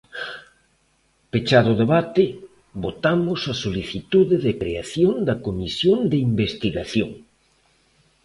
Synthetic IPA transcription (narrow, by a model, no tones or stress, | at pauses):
pet͡ʃaðʊðeβat̪ɪ | bot̪amʊsɐsoliθit̪uðɪðɪkɾeaθjond̪ɐkomisjond̪ɪimbest̪iɣaθjo̰ŋ